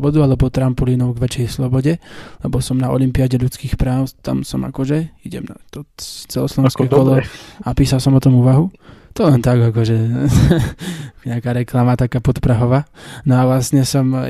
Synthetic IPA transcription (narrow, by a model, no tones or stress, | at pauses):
bɔd̪ualɛbɔt̪ɾampɔliːnɔʊɡʋɛt͡ʃjɛjslɔbɔɟɛlɛbɔsɔmnaɔ̰limpiaɟɛʎut͡skiːxpɾaːʊt̪a̰msɔma̰kɔʒɛiɟɛ̰mnat̪ɔt͡sɛlɔslɔʋɛ̃skɛːkɔlɔapiːsalsɔmɔt̪ɔmuːʋaɦu | t̪ɔlɛnt̪aɡakɔʒɛ | ɲɛakaːɾɛklamat̪akaːpɔt̪pɾaɦɔʋaːnɔaʋlasɲɛsɔm